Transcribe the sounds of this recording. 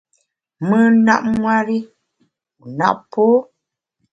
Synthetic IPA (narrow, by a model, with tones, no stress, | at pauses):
mə˦na˦ʔ̚ŋwa˦ɾi˦˨ | na̰˦˨ʔpo˦